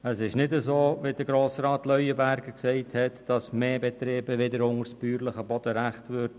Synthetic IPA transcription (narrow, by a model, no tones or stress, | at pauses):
əsɪʃnɪdəzoːʋɪdəɡɾoːsɾɑːtlœʏəbæɾɡəksɛɪthɛtd̥ɑsmeːbɛt̪ɾeːbəʋɪdəɾʊŋəɾsbyːɾlɪχəbɔd̥əɾæχtʋʏɾd